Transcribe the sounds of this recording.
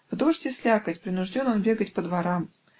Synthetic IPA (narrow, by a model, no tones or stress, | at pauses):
vd̪o̞ʂtʲɪsʲlʲakətʲpɾʲɪnʊʐdʲononbʲe̞ɡətʲpəd̪vɐɾam